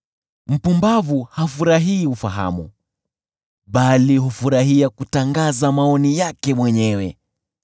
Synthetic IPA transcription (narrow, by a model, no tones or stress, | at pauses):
m̩pumbavuhafuɾaɦiːufaɦa̰mṵ | ɓaliɦufuɾaɦiakutaŋɡazamaɔnijakɛmwɛɲɛwɛ